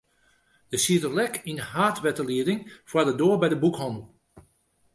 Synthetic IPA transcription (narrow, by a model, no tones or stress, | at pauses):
d̥əsitəlɛkinɦaːtʋɛtəliədɪŋfwadədoːɹbɛjdəbukhɑndl̩ˠ